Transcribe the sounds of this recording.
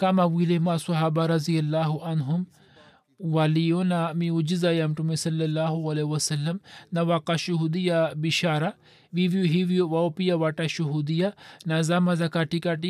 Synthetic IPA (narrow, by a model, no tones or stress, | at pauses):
kamawilemasɐɦaːbaɾɐzijɐlːaːɦuʔɐnɦʊm | walijonamiud͡ʒizajamʈumesɐlːɐlːaːɦuɐlewɐsɐlːɐmnawakaʃuɦud̪ijabiʃaːɾa | ʋiʋijoɦiwijowaopijawaʈaʃuɦud̪ijanazamazakaʈikaʈi